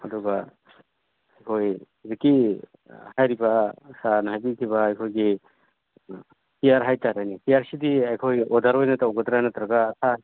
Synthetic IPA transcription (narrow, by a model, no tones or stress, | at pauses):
aduɡa | ajkʰoj | ziki | hajɾibasanɦajbitʰiβaːjkʰojɡi | pijaɾɦajtaɾajnipijaɾsidiajkʰojɔdaɾojnataɔɡɔd̪ɾanat̪ɾaɡaːsʰa